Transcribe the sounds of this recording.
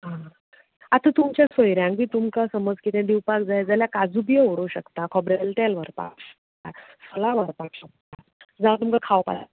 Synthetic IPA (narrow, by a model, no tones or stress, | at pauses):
ɦã | at̪ət̪umt͡ɕjãsojɾjãŋɡit̪umkasəməd͡zkit̪ʰɛ̃d̪iwpakd͡zajd͡zaljakad͡zubjəɦoɽuɕəkt̪akʰɔbɾelʈ̪ɛlʋəɾpa̰kɕə̥k̚t̪asəlaʋəɾpakɕək̚t̪a | d͡zat̪umkakʰawpa̰